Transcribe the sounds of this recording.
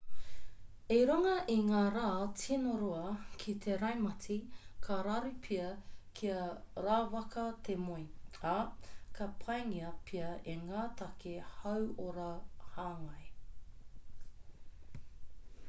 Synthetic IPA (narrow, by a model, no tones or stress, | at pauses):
eɾaŋɐʔiŋaːɾaːtʰinoɾoɐkʰit̪ʰeɾɐjmɐt͡sikʰɐɾaɾipʰiɐkʰiɐɾaːvɐkɐt̪ʰemojakʰɐpʰɐjŋiɐpʰiɐʔeŋaːt̪ʰɐkehɐwoɾɐhaːŋɐj